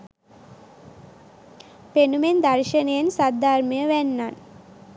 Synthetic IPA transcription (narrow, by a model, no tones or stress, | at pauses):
penumend̪arʃənəjənsad̪arməjəʋænːan